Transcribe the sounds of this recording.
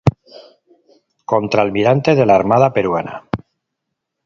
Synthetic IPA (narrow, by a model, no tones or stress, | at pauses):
ko̞nt̪ɾaelmiɾant̪e̞ðe̞laːɾmað̞ape̞ɾwana̰